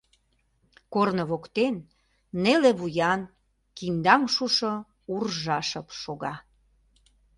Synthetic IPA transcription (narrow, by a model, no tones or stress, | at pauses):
kornəβokt̪enː | eleβujɑn | kind̪ɑŋʃuʃo | urʒɑʃəpʃoɣɑ